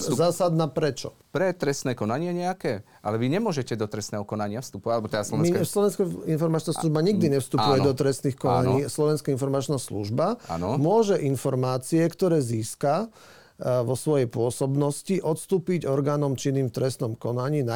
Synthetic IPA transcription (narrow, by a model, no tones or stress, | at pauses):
zaːsad̪napɾɛt͡ʃɔ | pɾɛt̪ɾɛst̪nɛːkɔnaɲɪɛɲɛakɛː | ʔa̰lɛʋiɲɛmʊɔʒɛcɛd̪ɔt̪ɾɛst̪nɛːɦɔkɔnaɲɪafst̪upɔaalɛbɔt̪ɛd̪aslɔ̃mslɔʋɛnskainfɔɾmat͡ʃnaːsluʒbaɲiɡ̚d̪iɲɛfst̪upujɛd̪ɔt̪ɾɛst̪niːxkɔna̰ɲɲiːslɔʋɛnskainfɔɾmat͡ʃnaːslṵʒbaa̰nmʊɔʒɛʔinfɔɾmaːt͡siɛkt̪ɔɾɛːziːska | ʋɔsʋɔjɛjpʊɔsɔbnɔsciʔɔt̪st̪uːpiɟɔɾɡaːnɔmt͡ʃiniːmft̪ɾɛsnɔmkɔnaɲiːna